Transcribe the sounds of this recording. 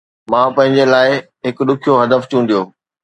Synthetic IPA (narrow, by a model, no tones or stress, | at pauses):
mãːpɐ̃ɦɪ̃ɲd͡ʑelaːɪ | ɦɪkɗ̪ʊkʰijoɦɐd̪əft͡ɕũːnd̪ijoː